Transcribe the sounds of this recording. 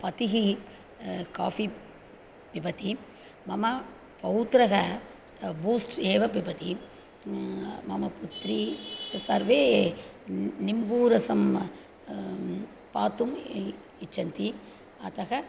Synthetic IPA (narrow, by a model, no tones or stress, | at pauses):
pɐt̪iɦi | ka̰ːfi | pipɐt̪i | mɐmɐ | pɐʋut̪ɾɐɣɐ | buːsʈeːʋɐpipɐt̪i | mɐmɐput̪ɾisɐɾʋeː | nimbuːɾɐsɐm | paːt̪um | it͡ʃːɐnt̪i | ɐ̰t̪ɐɣɐ